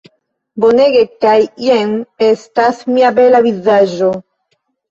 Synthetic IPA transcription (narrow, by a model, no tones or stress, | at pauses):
boneɡekajjeŋestasmiabelavizaʒo